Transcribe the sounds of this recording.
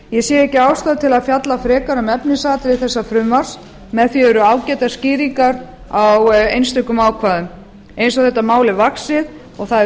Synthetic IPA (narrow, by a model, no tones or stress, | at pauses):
jɛsjɛːɛhcɪaːwst̪aːðt̪ʰɪlaðfjat̪lafɾɛːkaɾʏmɛpnɪsaːt̪ɾɪθɛsːafɾʏmvaɾ̥s | mɛðθviɛɾʏaːwcɛːt̪asciːɾiŋkaɾ | awejnst̪ʏkːʏmaːwkʰvaːðʏm | ejns̬ɔaθɛht̪ːamaːwlɪvaksɪð | ɔɣθaɛ